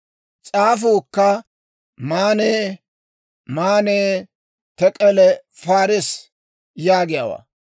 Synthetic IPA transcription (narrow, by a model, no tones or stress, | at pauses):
t͡sʼaːfuːkːɐ | maːneː | maːneː | t̪ɛkʼɛlɛfaːɾɪs | jaːɡɪja̰ːwa̰ː